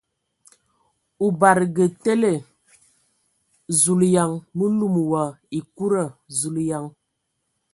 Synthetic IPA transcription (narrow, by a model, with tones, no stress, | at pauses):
u˨ba˨ɾɡə˨te˦le˦˨ | zu˨lja˨ŋmə˦lu˦˨mwa˨i˨ku˦ɾə˦˨zu˨lja˨ŋ